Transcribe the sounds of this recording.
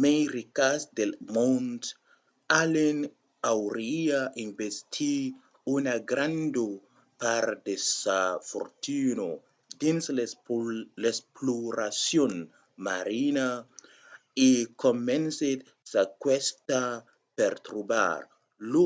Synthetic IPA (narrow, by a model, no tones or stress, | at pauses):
mejɾikasd̪elmont̪ | alen | awɾiainbest̪ʰi | unaɡɾand̪u | paɾd̪esafo̰ɾt̪ino | d̪ins | lespluɾasjon | maɾina | ikomenset̪ | sakwest̪a | peɾt̪ɾuba̰ɾ | lu